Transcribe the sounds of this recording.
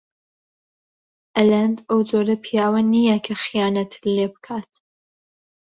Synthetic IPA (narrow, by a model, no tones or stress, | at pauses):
ʔælænd̪ɐwd͡zoːɾɐpʰijaːwɐnijɛkʰɐxijaːnɐt̪ʰlebɨkʰaːt̪